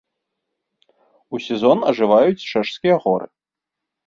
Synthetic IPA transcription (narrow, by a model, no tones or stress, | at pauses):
usʲɛzɔnɐʐɨvajut͡sʲt͡ʂɛʂskʲijɐɣɔɾɨ̰